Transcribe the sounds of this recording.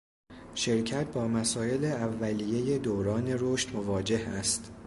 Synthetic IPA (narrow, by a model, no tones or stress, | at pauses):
ʃe̞ɾcʰæt̪̚ʰbɒːmæsɒːe̞leævːælije̞je̞d̪oːɾɒːne̞ɾoʃt̪mo̞vɒːd͡ʒe̞hæst̪